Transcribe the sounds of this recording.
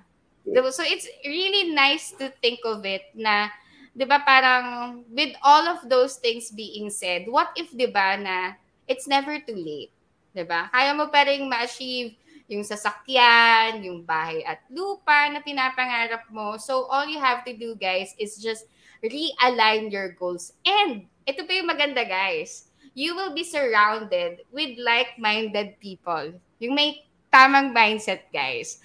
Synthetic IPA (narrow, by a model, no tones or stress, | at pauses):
d̪ɪsoʔɪt̪sɹilinajst̪ʊθɪŋkɔvɪt̪̚nɐ | d̪ɪbapaːɾɐŋwɪd̪olɔvd̪owst̪ɪ̃ŋsbiːʔɪŋsɛd̪̚wɐt̪ɪfd̪ɪbanɐ | ʔɪt̪snɛvɛɹt̪uːleɪt̪̚ | d̪ɪbakaːjɐmopaːd̪ɛŋmɐʔɐt͡ʃiv | jʊŋsɐsɐkjanjʊŋbaːhɐjʔɐt̪̚luːpanɐpɪnaːpɐŋaːɾɐp̚mosowʔoljʊɦævt̪ʊd̪uɡajsɪsd͡ʒɐst̪̚ | ɹiʔɐlajnjɔɹɡowlsɛnd̪̚ | ʔɛt̪opɐjʊŋmɐɡɐnd̪aɡajs | juwɪlbisəɹawnd̪ɛd̪̚wɪd̪̚lajk̚majnd̪ɛd̪̚piːpol | jʊŋmɐj | t̪aːmɐŋmãjnsɛt̪̚ɡa̰js